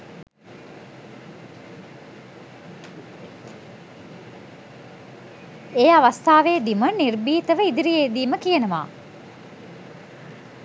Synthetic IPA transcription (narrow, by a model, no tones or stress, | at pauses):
ejaʋast̪aːʋeːd̪imənirbiːt̪əʋəid̪iɾijeːd̪iːməkijənəʋa̰ː